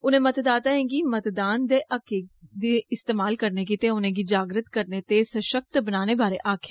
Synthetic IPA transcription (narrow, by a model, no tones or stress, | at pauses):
ʊnẽːmət̪d̪aːt̪aːɦẽːɡiːmət̪d̪aːnd̪eːʔəkeːd̪eːɪst̪eːmaːlkəɾneːk̬it̪ẽʊnẽːɡiːd͡ʒaːɡɾət̪kəɾneːt̪eːsəʃək̚t̪bənaːneːbaːɾḛʔaːkʰeː